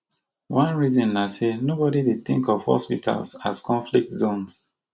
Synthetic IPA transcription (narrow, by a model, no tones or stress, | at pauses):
wãnɹizɔ̃nːasenobɔdided̚θɪ̰̃ŋkɔv̥hɔ̰spitʰa̰lsa̰zkʰɔ̃ɱflik̚tzõns